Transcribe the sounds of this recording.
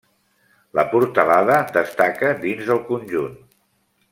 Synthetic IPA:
ləpuɾt̪əlaðəd̪əst̪akəd̪inzəlˠkunʲʒun

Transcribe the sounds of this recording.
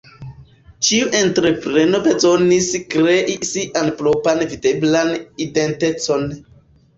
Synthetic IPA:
t͡ʃiuʔentɾepɾe̞no̞bezo̞niskɾeʔisiʔanpɾopanvideblanidentet͡so̞n

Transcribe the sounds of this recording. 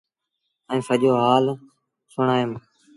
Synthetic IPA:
ĩːsəʄoːɦaːl | sʊɳaːem

